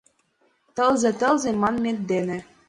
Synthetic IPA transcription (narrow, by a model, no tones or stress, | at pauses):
t̪ɤ̆lzɘ̆t̪ɤ̆lzĕmɑnmʲet̪̚d̪enɘ̆